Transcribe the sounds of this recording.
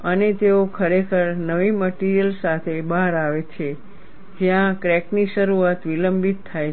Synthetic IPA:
ənet̪eokʰəɾekʰəɾnəʋiməʈiɾijəlsat̪ʰebaɦaɾaʋet͡ʃʰe | d͡ʒjãkɾɛkniʃəɾuat̪ʋiləmbit̪ʰːaj

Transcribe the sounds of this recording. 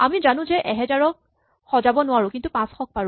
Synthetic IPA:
amizanʊ̃zɛʔɛɦɛzaɹɔk̚ | xɔzabɔnʊwaɹʊ̃kintupãsxɔk̚paɹ̃

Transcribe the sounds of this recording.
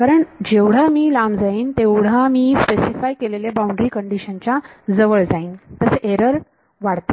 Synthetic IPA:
kaɾəɳd͡ʑeʋɽ̤amiːlamd͡zaiːnt̪eʋɽ̤amiːspesifajkeleljabaũɳɖɾiːkəɳɖiɕənt͡ɕjad͡zəʋəɭd͡zaiːnt̪əseʔeɾəɾ | ʋaɽt̪o

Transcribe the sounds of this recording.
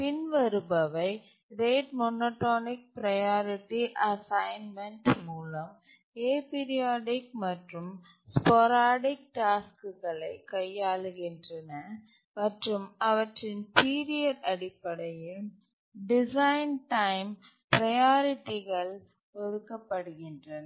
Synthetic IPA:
pɪnʋɐɾɯbɐʋɐɪ | ɾeːʈmɔnoːʈːoːnɪk̚pɾɐjaːɾɪʈːiʔɐsɐɪnmɛɳʈmuːlɐm | eːpɪɾɪjaːɽɪkmɐʈrɯm | spɔɾaːɽɪk̚ʈaːskɯɣɐɭɐɪkːɐjːaːɭɯɣɪndrɐnɐ | mɐʈrɯmɐʋɐʈrɪnpiːɾɪjɐɾɐɽɪpːɐɽɐjɪl | ɖɪsɐɪnʈɐɪm | pɾɐjaːɾɪʈːɪɣɐɭ | ɔɾɯkːɐpːɐɽɯɣɪndrɐnɐ

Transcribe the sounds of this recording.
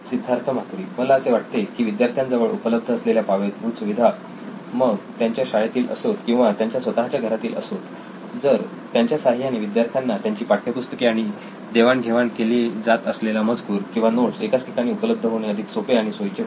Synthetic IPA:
sid̪ʱːaɾt̪ʰəm̤ak̪ɾiːməlaːseʋaʈ̚t̪ekiːʋid̪jaɾt̪ʰjand͡zəʋəɭṵpələb̚d̪ʱəəsleljapaʋet̪bʱuːsuʋid̪ʱa | məɡt̪jaɲt͡ɕjaɕaɭjat̪iːlʔə̰sot̪kĩw̃ʋat̪jaɲt͡ɕjasʋət̪aɦat͡ɕjaɡʱəɾat̪iːlʔə̰sot̪ | d͡zəɾ | t̪jaɲt͡ɕjasaɦjaneʋid̪jaɾt̪ʰjanːat̪jaɲt͡ɕiːpaʈʰːjepust̪ə̥keaɽ̃i | d̪eʋaɳɡʱeʋaɳkeliːd͡zat̪əslelaməd͡zkuːɾkĩw̃ʋanoʈsekat͡sʈʰi̥kaɽ̃iːupələb̚d̪ʱəɦoɽ̃eəd̪ʱiksopeaɽ̃isojt͡ɕe

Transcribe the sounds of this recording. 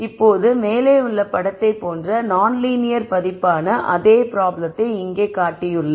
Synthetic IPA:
ɪpːoːðɯmeːleːʊɭːɐpɐɽɐt̪ːɐɪpːoːndrɐnaːnliːnɪjɐɾpɐðɪpːaːnɐʔɐðeːpɪɾaːblɐt̪ːɐɪɪŋɡeːkaːʈːɪjɯɭːɐ

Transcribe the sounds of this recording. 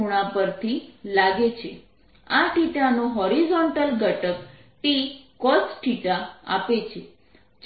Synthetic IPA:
uɽ̃ãpəɾt̪ʰilaɡet͡ʃʰe | aʈiʈanoɦɔɾizɔɳʈəlɡəʈək | ʈikɔsʈʰiʈaa̰pet͡ʃʰe | d͡ʒ

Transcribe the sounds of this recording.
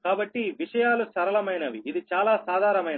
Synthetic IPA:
kaːbɐʈːiʋiʂɐjaːlusɐɾɐlɐmɐjnɐʋiːd̪it͡ʃaːlaːsaːd̪ʱaːɾɐmɐjn

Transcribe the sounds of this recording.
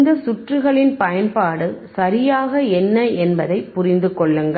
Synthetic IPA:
nd̪ɐsʊʈrɯɣɐɭɪnpɐjɐnpaːɽɯsɐɾɪjaːɣɐɛnːɐɛnbɐðɐɪpːʊɾɪnd̪ɯkɔɭːɯŋɡɐ

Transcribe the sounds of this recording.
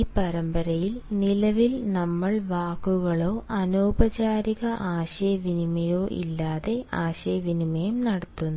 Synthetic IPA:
ipɐɾɐmbɐɾɐjilnilɐʋilnɐmːɐɭʋaːkːuɣɐɭo̞ːʔɐnoːbɐt͡ɕaːɾiɣɐʔaːɕɐjɐʋinimɐjo̞ːʔḭlːaːðe̞aːɕɐjɐʋinimɐjumnɐɽɐt̪ːunː

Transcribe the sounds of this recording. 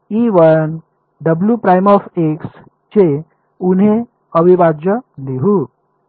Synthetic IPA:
iːʋəɭn | ɖəbljupɾajmɔfeks | t͡ɕe | unɦẽ | əʋibad͡ʑəliɦu

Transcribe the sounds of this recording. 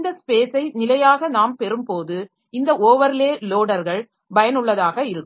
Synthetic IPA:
nd̪ɐspeːsɐɪnɪlɐjaːɣɐnaːmpɛɾɯmpoːðɯ | ɪnd̪ɐʔoːʋɐɾɪleːloːɽɐɾɣɐɭ | bɐjɐnɯɭːɐðaːɣɐɪɾɯkːɯ

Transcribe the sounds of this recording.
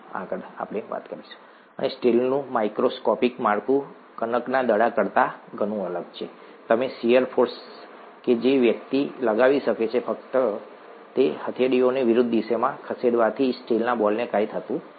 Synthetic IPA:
a̰kəɾa̰pɽ̃eʋa̰t̪kəɾiʃu̥ | ə̰nesʈelnũmaikɾoskɔpikmaɽkũ | kənəknad̪əɽakəɽt̪aɡʱəñũələɡt͡ʃʰe | t̪əmesijəɾfʰoɾs | ked͡ʒeʋjəkt̪iləɡaʋiʃəket͡ʃʰefəkt̪ə | t̪ehət̪ʰjaɽioneʋɪɾud̪ʱːiʃemãkʰəseɽʋat̪ʰisʈelnabɔlnekajt̪ʰət̪ũ

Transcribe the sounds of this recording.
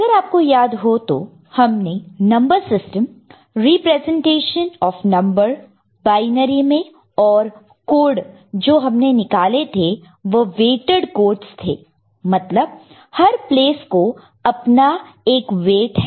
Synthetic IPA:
ɐɡəɾaːp̚kojaːd̪ɦot̪o̰ | hɐmnenɐ̃mbəɾsɪsʈəm | ɾiːpɾɛːzɛ̃ɳʈeːʃənɔːfnɐ̃mbəɾ | baːɪnəɾimẽ | ɔːɾ | koːɖ | d͡ʒoːɦɐmnenɪkaːlet̪ʰe | ʋɐʋeːʈəɖkoːʈst̪ʰḛː | mɐt̪ləb̚ | hɐɾpleːsko | ɐpna | eːkʋeːʈɦɛ

